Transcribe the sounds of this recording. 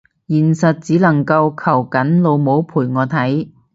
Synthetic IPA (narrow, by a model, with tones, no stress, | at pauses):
jiː˨˩nsɐ˨t̚t͡siː˨˥lɐ˨˩ŋkɐ˧wkʰɐ˨˩wkɐ˨˥nlo˨˧wmo˨˥wpʰuː˨˩jŋɔː˨˧t̪ʰɐ˨˥j